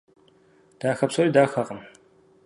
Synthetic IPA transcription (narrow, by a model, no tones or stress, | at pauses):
d̥aːxɐpsoɾidaːxɐqən